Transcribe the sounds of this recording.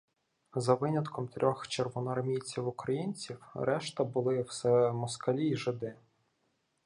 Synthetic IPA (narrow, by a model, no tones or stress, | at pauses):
zɐʋɪnʲɐt̪kʰɔmt̪ɾʲʔɔxt͡ʃerʋɔnɔrmʲijt͡sʲiwʊkɾɐjinʲt͡sʲiwɾɛʃt̪ɐbʊlˠɪwsɛmɔskɐlʲiːʒɪd̪ɪ